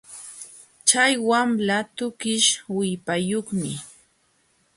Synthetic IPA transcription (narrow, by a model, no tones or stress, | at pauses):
t͡ʃajwamlat̪ʊkɪʃwɪpajoχmɪ